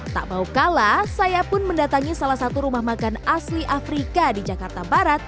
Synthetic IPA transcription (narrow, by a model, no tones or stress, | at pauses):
t̪a̰ʔbaukalasajapʊnməndat̪aŋisalahsat̪uɾumahmakanasliʔafɾikadid͡ʒakart̪abaɾat̪̚